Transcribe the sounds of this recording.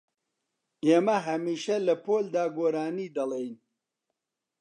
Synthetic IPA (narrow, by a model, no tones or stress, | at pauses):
eːmɐɦɐmiːʃɐlɐpoːld̪aːɡoːɾaːniːd̪ɐlˠejn